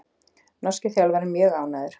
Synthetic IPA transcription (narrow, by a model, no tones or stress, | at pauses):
nɔscɪθjawlvaɾɪmjœːɣaːwnajðʏɾ̥